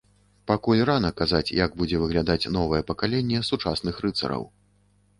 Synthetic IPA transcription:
pakulʲranɐkazat͡sʲjaɡbud͡zʲɛvɨɣlʲad̪at͡sʲn̪ɔvɐjɛpɐkalʲenʲːɛsut͡ʂasn̪ɨxrɨt̪sɐ̰ɾɐ̰w

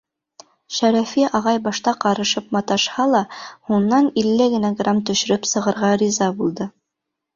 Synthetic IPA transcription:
ʃæɾæfiʔɑʁɑjbɑʃt̪ɑqɑɾɤ̆ʃɤp̚mɑt̪ɑʃhɑlˠɑhunːɑnilːɘɡɘ̆noɡramt̪ɵ̆ʃɘ̆ɾɵpsɤ̆ʁɤ̆ɾʁɑɾʲizɑbulˠd̪ɤ

